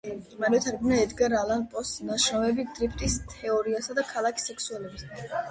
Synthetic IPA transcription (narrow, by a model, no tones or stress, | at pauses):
maɾɛɛt̪ʰaɾɡumnaɛd̪ɡaɾalanpʼɔsnaʃɔvɛbid̪̥ɾipʰt̪ʼist̪ʰɛɔɾiasad̪akʰalˠakʰi̥sɛkʰsuɛlɛbis